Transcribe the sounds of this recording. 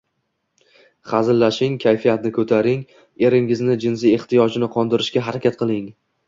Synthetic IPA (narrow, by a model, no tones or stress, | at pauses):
χazɪlːaʃɪŋkʲʰajfijat̪nɪkʰɵt̪ʰaɾɪŋ | e̞ɾɪŋɪznɪd͡ʒɪns̬ie̞ht̪ijɒd͡ʒɪnɪqʰɒnd̪ɪɾɪʃkʲaɦaɾakʲat̪̚qɨlˠɪŋ